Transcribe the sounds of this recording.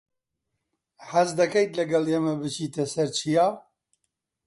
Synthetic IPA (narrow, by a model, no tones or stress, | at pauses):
hɐzd̪ɐkɐjt̪lɐɡɐleːmɐbɨt͡ʃʰiːt̪ʰɐsɐɾt͡ʃʰijaː